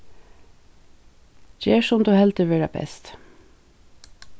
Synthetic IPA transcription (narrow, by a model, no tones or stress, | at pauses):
d͡ʒeːʃɔmd̪ʉːhɛlt̪əʋeːɖæ̰bɛ̰st̪